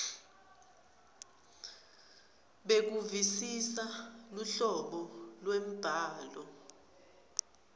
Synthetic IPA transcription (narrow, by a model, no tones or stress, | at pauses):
ɓek̬uvisisaluɬɔɓɔlwem̩b̥ʱaːlɔ